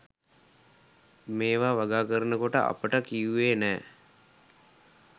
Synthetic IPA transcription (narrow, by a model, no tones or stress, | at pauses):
meːʋaːʋaɡaːkəɾənəkoʈə̰ʔa̰pəʈəkijuʋeːnɛː